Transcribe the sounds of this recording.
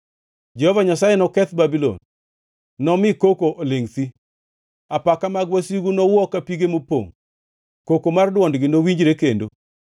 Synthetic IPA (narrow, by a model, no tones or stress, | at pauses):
d͡ʒɛhovaɲasajenɔkɛt̪babilɔ̰nː | ɔmɪkokoʔoleŋt̪i | apakamaɡwasiɡunɔwɔkapiɡemopo̰ŋ | kokomardwɔndɡɪnowiɲd͡ʒɾekendo